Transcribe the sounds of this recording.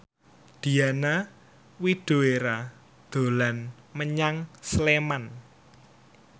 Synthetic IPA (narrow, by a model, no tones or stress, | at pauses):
d̪̥i̤ana | wiɖ̪̥o̤eɾa | d̪̥o̤lan | məɲaŋsleman